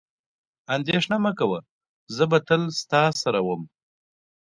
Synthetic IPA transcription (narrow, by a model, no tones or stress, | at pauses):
and̪eʂnamakawa | zəbat̪əlst̪ɑsaɾawəm